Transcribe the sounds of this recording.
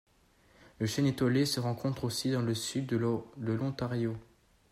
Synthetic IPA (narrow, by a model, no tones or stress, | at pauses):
ləʃɛnet̪ɔlesəʁɑ̃kʰɔ̃t̪χosid̪ɑ̃ləsyd̪d̪əlɔ̃t̪aʁjo